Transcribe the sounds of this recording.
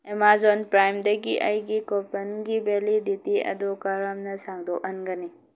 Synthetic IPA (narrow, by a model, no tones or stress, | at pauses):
emazɔnpɾajmd̪ɐɡiʔɐjɡikɔpɐnɡibelid̪it̪iɐ̰d̪ukaɾamnɐsaŋd̪ɔʔɐnɡəni